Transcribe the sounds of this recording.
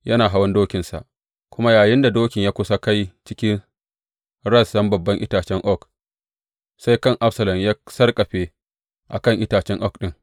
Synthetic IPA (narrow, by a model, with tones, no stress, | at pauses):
jɐ˦naː˨ɦa˦wɐ˦ndoː˦kʲɪ˨nsa̰˨ʔ | kʷʊ˦ma˦jaː˨jɪ˦nda˨doː˦kʲɪ˨ɲjaː˦kʷʊ˦sa˦ka˦jt͡ʃɪ˦kʲɪ˦n | ɾɐ˦˨sɗɐ˦mbɐ˨bːɐ˦ŋʔɪ˦taː˨t͡ʃɛ˦ŋʔɔ˦˨k | sa˦jkɐ˦˨ŋʔa˦ɸsɐ˨lɐ˨mjaː˦sɐ˦rkʼɐ˨ɸeː˦ | ʔa˨kɐ˦˨ŋʔɪ˦taː˨t͡ʃɛ˦ŋʔɔ˦˨kɗɪ˦ŋ